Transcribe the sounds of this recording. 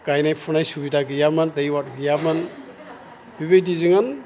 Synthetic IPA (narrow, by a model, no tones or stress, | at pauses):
ɡ̥ajnajpʰunajsubidaɡɯjamɯndajwat̚ɡijamɯn | b̥iβejdizɯŋɯn